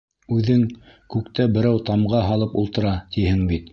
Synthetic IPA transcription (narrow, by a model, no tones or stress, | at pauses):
ʉðɘŋkʉkt̪æbɘ̆ɾæwt̪ɑmʁɑɦɑlˠɤpulˠt̪ɤ̆ɾɑt̪ihɘŋbit̪